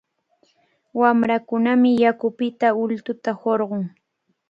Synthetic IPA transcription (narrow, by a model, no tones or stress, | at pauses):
wamɾakʊnamɪjakʊpɪt̪aʊlt̪ʊt̪ahoɾɢʊŋ